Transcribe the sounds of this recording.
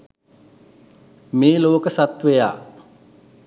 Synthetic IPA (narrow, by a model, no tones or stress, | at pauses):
meːloːkəsat̪ʋeja̰ː